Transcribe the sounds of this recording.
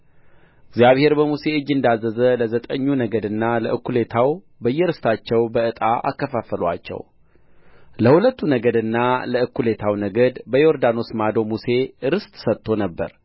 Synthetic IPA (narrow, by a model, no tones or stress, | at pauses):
ɪɡzjaβhe̞ɾbəmuse̞ɨd͡ʒːɨnd̪azːəzələzət̪ʼəɲːunəɡəd̪ɨnːaləʔɨkʰːule̞t̪ʰaw | bəjːɛɾɨst̪ʰat͡ʃːɛwbəɨt̪ʼa̰ʔa̰kːəfafəla̰t͡ʃːɛ̰w | ləhulət̪ːunəɡəd̪ɨnːaləɨkʰːule̞t̪ʰawnəɡəd̪bəjo̞ɾd̪ano̞smad̪o̞muse̞ɨɾɨst̪ʼsət̪ʰːo̞nəbːə̰ɾ